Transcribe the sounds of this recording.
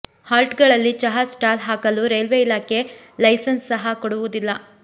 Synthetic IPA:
haːlʈɡɐɭɐlːit͡ʃɐɦasʈaːlɦaːkɐluɾelʋeilaːke̞ | lɐjsɐnsːɐɦɐkɔɽuʋud̪ilːɐ

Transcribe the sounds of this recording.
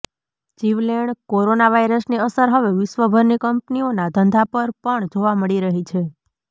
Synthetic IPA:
d͡ʒiʋleɳɖkoɾonaʋaiɾəsniəsəɾɦəʋeʋɪʃʋəbʱəɾnikəmpnionad̪ʱənd̪ʱapəɾpəɳd͡ʒoʋaməɭiɾəɦit͡ʃʰe

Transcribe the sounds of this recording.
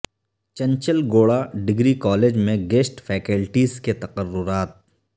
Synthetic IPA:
t͡ʃɐ̃ɲt͡ʃəlɡoːɭaɖɪɡɾikɔːleːd͡ʒmẽɡeːsʈfʰɛːkəlʈiːzket̪ɐqərːʊɾaːt̪̚

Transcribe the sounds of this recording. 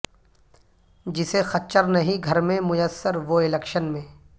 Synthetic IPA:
d͡ʒɪsexɐtt͡ʃəɾnɐɦĩɡʱɐɾmẽmʊjəsːəɾʋoɪlɛkʃənmẽː

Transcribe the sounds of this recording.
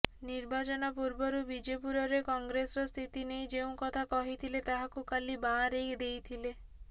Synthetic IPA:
niɾbat͡ʃɔnapuɾbɔɾubid͡ʒepuɾɔɾekɔŋɡɾesɾɔst̪ʰit̪inejd͡ʒeũkɔt̪ʰakɔɦit̪ʰilet̪aɦakukalibãɾekd̪ejt̪ʰile

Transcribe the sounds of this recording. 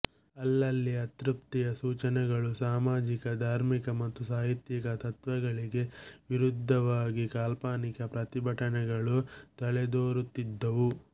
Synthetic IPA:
ɐlːɐlːiɐt̪ɾup̚t̪ijɐsuːt͡ʃɐnɛɡɐɭusaːmaːd͡ʒikɐd̪ʱaːɾmikɐmɐt̪ːusaːɦit̪jikɐt̪ɐt̪ʋɐɡɐɭiɡe̞ʋiɾud̪ʱːɐʋaːɡikaːlpaːnikɐpɾɐt̪ibʱɐʈɐnɛɡɐɭut̪ɐɭɛd̪oːɾut̪ːid̪ːɐʋu

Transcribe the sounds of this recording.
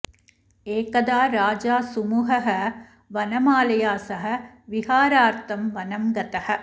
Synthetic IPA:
eːkɐd̪aːɾaːd͡ʒaːsumuːɦɐɦɐ̆ | ʋɐnɐmaːlɐjaːsɐɦɐ̆ | ʋiɦaːɾaːɾt̪ɐmʋɐnɐmɡɐt̪ɐhɐ̆

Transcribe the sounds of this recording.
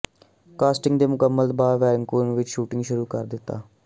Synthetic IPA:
kaːsʈɪ̃ŋɡd̪eːmʊkəmːəlt̪baːɾʋɛːɾɪŋkoːnʋɪt͡ʃʃuːʈɪ̃ŋɡʃʊɾuːkəɾd̪ɪt̪ːa̰ː

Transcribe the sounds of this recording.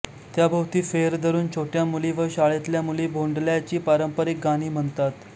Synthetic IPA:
t̪jabʱəwt̪iːfeɾd̪əɾuːnt͡ɕʰoʈjamuliʋəɕaɭet̪ljamulibʱoɳɖljat͡ɕiːpaɾəmpəɾek̚ɡaɽ̃iːm̤əɳt̪at̪

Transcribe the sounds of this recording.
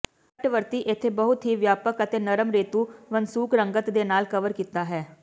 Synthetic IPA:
əʈʋəɾt̪iːʔɪt̪ʰːeːbəɦʊt̪ɦiːʋjaːpəkət̪eːnəɾəmɾeːt̪uːʋənsuːkɾəŋɡət̪d̪eːnaːlkəʋəɾkiːt̪aːɦɛː

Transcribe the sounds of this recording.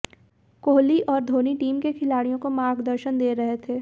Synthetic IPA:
koːɦliʔɔːɾd̪ʱoːniʈiːmkekʰɪlaːɽijõkomaːɡd̪əɾʃənd̪eːɾɐɦet̪ʰeː

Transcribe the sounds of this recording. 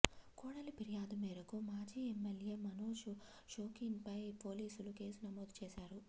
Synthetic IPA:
kuːɽɐlipiɾjaːd̪umɛːɾɐkumaːd͡ʒiːemːelje̞ːmɐnoːʃu | ʃoːkiŋpɐjpoːliːsuluke̞ːsunɐmoːd̪t͡ʃeːʃaːɾu

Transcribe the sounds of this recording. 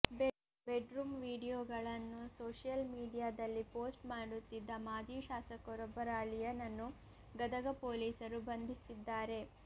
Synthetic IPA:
beɖɾuːmʋiːɽijoːɡɐɭɐnːusoːʂjɐlmiːɖijaːd̪ɐlːipoːsʈmaːɽut̪ːid̪ːɐmaːd͡ʒiːʃaːsɐkɔɾɔbːɐɾaːɭijɐnɐnːu | ɡɐd̪ɐɡɐpoːliːsɐɾubɐnd̪ʱisid̪ːaːɾe̞

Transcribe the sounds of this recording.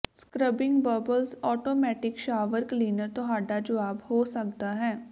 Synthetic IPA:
skɾəbɪ̃ŋɡbəɾbəlsɔːʈoːmɛːʈɪkʃaːʋəɾkliːnəɾt̪oɦaːɖad͡ʒəʋaːbhoːsɐkt̪aɦɛ̃ː

